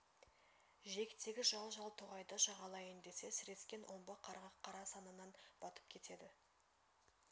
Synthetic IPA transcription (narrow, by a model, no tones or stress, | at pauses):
ʒe̞kʲɪt̪ʰe̞ɡʲɪʒɑlˠʒɑlˠt̪ʰoʁɑjd̪ɑʃɑʁɑlˠɑjend̪e̞se̞sɪɾe̞skʲe̞nwʔo̞mbɑqʰɑɾʁɑqʰːɑɾɑsɑnənɑnb̥ɑt̪ə̥p̚kʲʰe̞t̪e̞d̪ɪ